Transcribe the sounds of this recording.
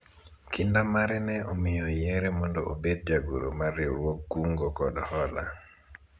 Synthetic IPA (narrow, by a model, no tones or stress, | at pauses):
kindamaɾɛnɛʔomijɔjɛɾɛmɔndɔʔobed̚d͡ʒaɡṵɾo̰maɾiɾwokːuŋɡɔkɔɗɔhɔla̰